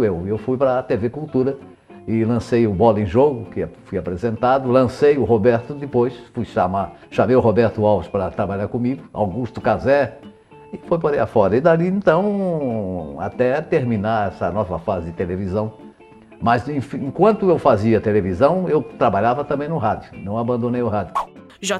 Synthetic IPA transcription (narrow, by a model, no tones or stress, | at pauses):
ewewfujpɾɐt̪evekuwt̪uɾɐ | ɪlɐ̃sejʊbɔlɐẽʒoɡʊkɪafujapɾezẽnt̪ad̪ʊlɐ̃sejʊɦobɛɾt̪ʊd̪ɪpojsfujʃamaʃamejʊɦobɛɾt̪ʊawvɪspɾɐt̪ɾabaʎaɾkõmiɡʊa̰wɡuʃt̪ʊkazɛ | ɪfojpoɾejafɔɾɐɪd̪aliẽnt̪ɐ̃w̃ | a̰t̪ɛt̪eɾmĩnaɾɛsɐnɔvɐfazɪd̪ɪt̪elevizɐ̃w̃ | mɐzẽfẽkwɐ̃nt̪ʊewfaziɐt̪elevizɐ̃w̃ewt̪ɾabaʎavɐt̪ɐ̃bẽj̃nʊɦad͡ʒjʊnɐ̃w̃abɐ̃nd̪õnejʊɦad̪jʊ | ʒ